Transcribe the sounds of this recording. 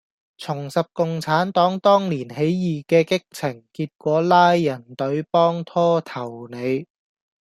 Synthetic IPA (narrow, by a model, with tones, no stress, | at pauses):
t͡sʰʊ˨˩ŋsɐ˨p̚kʊ˨ŋt͡sʰaː˨˥nt̪ɔː˨˥ŋt̪ɔː˥ŋliː˨˩nɦe˨˥jjiː˨˩kɛː˧kɪ˥k̚t͡sʰɪ˨˩ŋkiː˧t̚kʷɔː˨˥laː˥jːɐ˨˩nt̪ɵ˨˥ɥpɔː˥ŋt̪ʰɔː˥t̪ʰɐ˨˩wne˨˧j